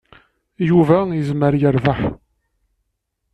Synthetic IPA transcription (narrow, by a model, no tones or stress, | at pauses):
juvæjəzməɾjəɾvaħ